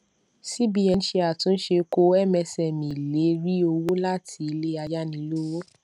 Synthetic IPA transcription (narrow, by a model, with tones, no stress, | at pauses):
si˦bi˦ɛ˧n̩˦ʃe˧a˨tũ˨˦n̩˦ʃe˧ko˦ɛ˦mɛ˧sɛ˨mĩ˨le˨˦ɾi˦o˧wo˦la˦tʰi˧i˧le˦a˧ja˦nĩ˧lo˦wo˦